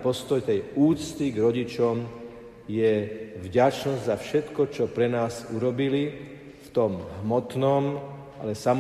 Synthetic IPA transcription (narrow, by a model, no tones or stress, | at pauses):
pɔst̪ɔjt̪ɛjuːt͡st̪iɡɾɔɟit͡ʃɔm | jɛvɟat͡ʃnɔzɟzafʃɛt̪kɔt͡ʃɔpɾɛnaːzuɾɔbili | ft̪ɔmɦmɔt̪nɔm | alɛsam